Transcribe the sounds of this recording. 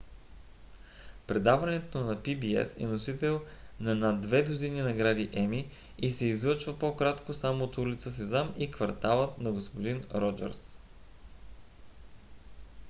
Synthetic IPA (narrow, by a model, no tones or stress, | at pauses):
pɾɛd̪avɐnɛt̪onɐpibiɛ̰sɛ̰nosit̪ɛlˠnɐnad̪ːvɛd̪ozininɐɡɾad̪iʔɛmi | isɛizvɤt͡ʃvəpokɾat̪kosamoːt̪ulit̪səsɛzamikvɐɾt̪alˠət̪nɐɡospod̪inɾɔd͡ʒɛ̰ɾs